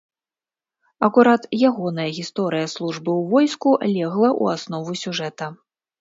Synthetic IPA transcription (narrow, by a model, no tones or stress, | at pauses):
ɐkuɾat̪jaɣɔnɐjɐɣʲist̪ɔɾɨjɐslˠuʐbɨwvɔjskulʲɛɣlˠɐʔṵasnɔvusʲuʐɛt̪ɐ